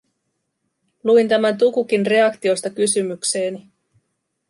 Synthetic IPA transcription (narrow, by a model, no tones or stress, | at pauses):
luint̪æmænt̪̬ukuk̟inre̞ɑkt̪io̞st̪ɑkysymykse̞ːni